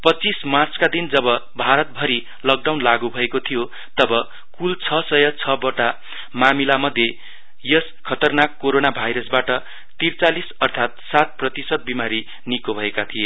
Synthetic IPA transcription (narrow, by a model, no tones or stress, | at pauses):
pʌt͡sːismart͡skad̪ind͡zʌbʌbʱaɾʌt̪̚bʱʌɾi | lʌk̚ɖawnlaɡubʱʌekot̪ʰijo | t̪ʌbʌ | kult͡sʰʌsʌjʌt͡sʰʌbʌʈa | mamilamʌd̪ʱje | jʌs | kʰʌt̪ʌrnakːoɾonabʱajɾʌsbaʈʌ | t̪irt͡salisʌrt̪ʰat̪̚sat̪̚prʌt̪isʌd̪̚bimaɾi | nikobʱʌekat̪ʰije